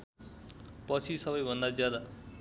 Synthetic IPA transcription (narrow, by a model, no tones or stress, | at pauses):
pʌt͡sʰisʌbʌjbʱʌnd̪ad͡zjad̪a